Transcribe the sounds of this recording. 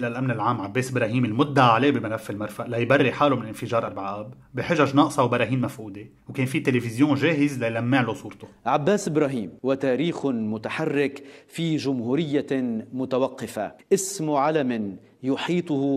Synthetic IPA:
ʔɪlalʔamnɪlʕaːmʕabːeːsʔɪbɾɑːɦiːmɪlmʊd̪ːaʕaleːbimalafːɪlmaɾˤfaʔlajbarːiħaːlomɪnlʔɪnfɪʒɑːɾˤʔaɾbʕaːbːiħɪʒaʒnɑːʔsˤɑwbɑɾˤɑːɦiːnmafʔuːd̪e | wkeːnfit̪elefɪzjõːʒeːɦɪzlajlamːiːʕlosˤuːɾt̪oʕabːaːsʔɪbɾɑːɦiːmwat̪aːɾiːxmʊt̪aħarːɪkfiʒʊmɦuːɾɪjːamʊt̪awaqːɪfa̰ʔɪsmʕalamɪn | jʊħiːt̪ˤʊh

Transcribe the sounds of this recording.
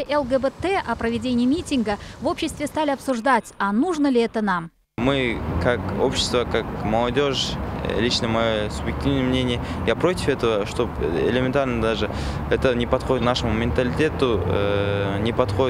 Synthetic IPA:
ʔelˠɡebet̪eʔɐprəvʲɪdʲenʲɪjmʲitʲɪŋɡəvo̞pɕːɪst̪vʲɪst̪alʲɪapsʊʐd̪atʲanuʐnəlʲɪɛt̪ənam | mɨkʰako̞̰pɕɪ̥st̪vəkakməlˠɐdʲo̞ʂlʲit͡ʃnəmɐjosubjɪk̚tʲivnəjəmnʲenʲɪjə | japɾo̞tʲɪfɛt̪əvəʂt̪o̞pḛlʲɪmʲɪnt̪arnəd̪aʐɨ | ɛt̪ənʲɪpɐt̪χodɪt̪naʂəmumʲɪnt̪əlʲɪtʲe̞t̪ʊ | nʲɪpɐt̪χo̞dʲɪ

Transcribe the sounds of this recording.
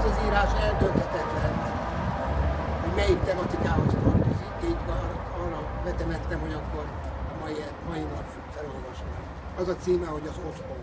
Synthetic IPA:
zɒziːɾaːʃɛld̪ønt̪ɛt̪ɛt̪lɛn | hoɟmɛjikt̪ɛmɒt̪ikaːɦo̞st̪ørt̪ozikːeit̪ɡɒnok̪ɒːrɒbɛt̪ɛmɛt̪ːɛmɦho̞ɟɒkːo̞rmɒjiɛmɒjinɒp | fɛlo̞lvɒʃni | ɒzɒt̪siːmɛho̞ɟɒzospo

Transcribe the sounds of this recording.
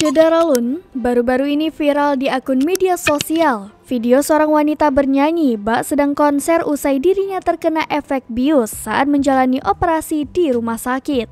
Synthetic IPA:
d͡ʒədaɾalunbaɾubaɾuinifiɾaldiakʊnmediasosialfidiosəoɾaŋwanit̪abərɲaɲibaʔsədaŋkɔnsɛrusajdiɾiɲat̪ərkənaʔɛfɛk̪̚biʊsːaʔat̪̚məɲd͡ʒalaniʔopəɾasidiɾumahsakɪt̪̚

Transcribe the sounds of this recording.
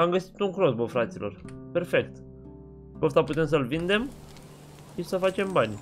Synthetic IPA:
amɡəsi̥t̪uŋkɾosbəfɾat̪silʔo̞̰rpe̞rfe̞kt̪ | os̬t̪aput̪e̞ms̬əlvind̪e̞m | ʃisəfat͡ʃe̞mbanʲ

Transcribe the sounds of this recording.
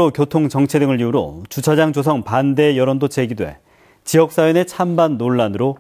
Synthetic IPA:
okjotʰoŋt͡ɕʌŋt͡ɕʰedɯŋɯɭʎiuɾo̰t͡ɕut͡ɕʰad͡ʑaŋd͡ʑos̬ʰʌŋpande̞jʌɾondot͡ɕʰeɡidwe̞̰ | t͡ɕijʌk̚s͈ajone̞t͡ɕʰambanːoɭːanɯɾo

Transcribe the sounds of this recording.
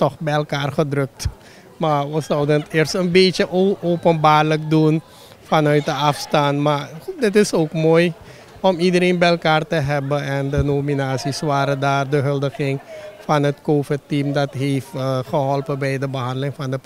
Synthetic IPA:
tɔχbɛjəlˠkaːrχədrɵk̚t | maʋɔsɔwdənətɪərstənbeəʔoopənbaːrləkdun | fɑnœɥt̚dəafstaːnmadɪtɪsoːkmoːj | ɔmidəɾeːnbɛɛlˠkaːrtəɦɛbəɛndənoːminaːsisʋaːɾədaːrdəɦɵldəχɪŋfɑnɦətkoːfɪtimdɑtɦeːfəχəɦɔlpəbɛjdəbəɦɑndəlɪŋfɑndə

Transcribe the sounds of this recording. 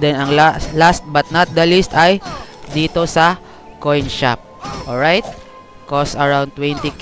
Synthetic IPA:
d̪ɛnɐŋlaslast̪̚bɐt̪̚nɐt̪̚d̪ɐlist̪ɐjd̪iːt̪osɐ | kojnʃa̰p̚ʔɔlɹajt̪̚ | kosɐɹawnt̪ːwɛ̃nt̪i

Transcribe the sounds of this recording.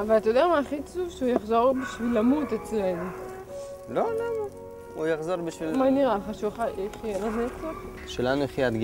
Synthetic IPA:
avalat̪ajod̪eamaːχit͡suvʃeujaχzo̞ʁbiʃvilːamut̪et͡slenu | lolama | ujaχzoʁbiʃvilmaniʁaleχaʃuχaeχijenazeet͡seχ | ʃelanuaχiad̪ɡ

